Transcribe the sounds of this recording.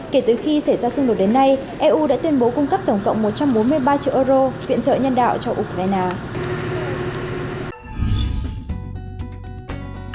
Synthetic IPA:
ke˧˩t̪ɨ˨˩xi˧sa˧˩jzaː˧sʊ˧ŋ͡mɗo˨˩t̚ɗe˨˦nːa˧j | ʔɛ˧ʔu˧ɗa̰ː˧˥t̪wi˧ənɓo˨˦kʊ˧ŋ͡mkə˦˥p̚t̪ə˧˩ŋ͡mkə̰˧˨wŋ͡mmo˨˩t̚t͡ɕa˧mɓo˨˦nmɨ˧əjɓaː˧t͡ɕḭ˧əʔəː˧zɾo˧vḭ˧˨ənt͡ɕə̰ː˧˨ɲə˧nɗa̰ː˧˨wt͡ɕɔ˧ʔu˧kɾaː˧jnaː˧

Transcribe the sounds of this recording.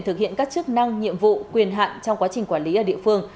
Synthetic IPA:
nt̪ɨ˨˩k̚hḭ˧˨ənkaː˦˥k̚t͡ɕɨ˦˥k̚na˧ŋɲḭ˧˨əmvṵ˧˨kwi˨˩ənɦa̰ː˧˨nt͡ɕɔ˧wŋ͡mkwaː˨˦t͡ɕï˨˩ŋ̟kwaː˧˩li˨˦ʔəː˨˩ɗḭ˧˨əfɨ˧əŋ

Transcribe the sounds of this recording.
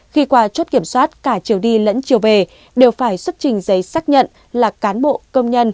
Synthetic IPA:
xi˧kwaː˨˧˦t͡ɕt̚ki˧˩əmswaː˦˥t̚kaː˧˩t͡ɕi˨˩əwɗi˧lə̰˧˥nt͡ɕi˨˩əwve˨˩ | ɗe˨˩wfaː˧˩jswə˦˥t̚t͡ɕï˨˩ŋ̟zə˨˦jsaː˦˥t̚ɲə̰˧˨n | laː˨˩kaː˨˦nɓo̰˧˨kə˧wŋ͡mɲə˧n

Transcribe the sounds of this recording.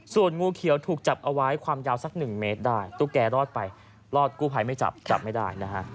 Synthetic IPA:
su˨˩ənŋuː˧kʰi˨˩˦wt̪ʰuː˨˩k̚t͡ɕa˨˩p̚ʔa˧wa˦˥jkʰwaː˧mjaː˧˥wsa˧˦˩k̚nɯ˨˩ŋme˦˥t̪̚daː˥˩jt̪uː˧˩kɛː˧ɾɔː˥˩t̪̚pa˧j | lɔː˥˩t̪̚kuː˥˩pʰa˧jma˥˩jt͡ɕa̰˨˩p̚t͡ɕa̰˨˩p̚ma˥˩jdaː˥˩jna˦˥kʰa˦˥ʔ

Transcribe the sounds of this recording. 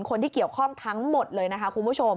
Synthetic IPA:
nkʰo˧nt̪ʰiː˥˩ki˨˩əwkʰɔ˥˩ŋt̪ʰa˦˥ŋmo˨˩t̪̚lɤː˧jna˦˥kʰa˦˥kʰu˧nbʰu˥˩t͡ɕʰo˧m

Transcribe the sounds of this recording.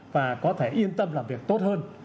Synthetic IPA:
vaː˨˩kɔ˨˦t̪ʰe˧˩ʔi˧ənt̪ə˧mlaː˨˩mvi˨˩ək̚t̪o˦˥t̚həː˧n

